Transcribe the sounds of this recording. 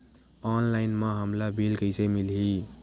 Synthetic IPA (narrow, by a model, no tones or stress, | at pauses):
ɔnlajnmaɦəmlabʱilkəjsemilɦi